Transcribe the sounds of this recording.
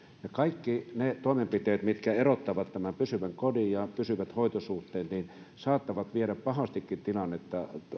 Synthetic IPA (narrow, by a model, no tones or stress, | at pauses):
jɑkɑikːinet̪oɑmempit̪eːˑt̪mit̪kæerot̪ːɑʋɑt̪t̪ːæmæmpysyʋæŋkodijjɑpysyʋæt̪hoˑit̪osuht̪ˑeːnnin | sɑːt̪ːɑʋɑt̪ʋieɾæppɑhɑst̪ikːint̪ilɑnːet̪ːɑ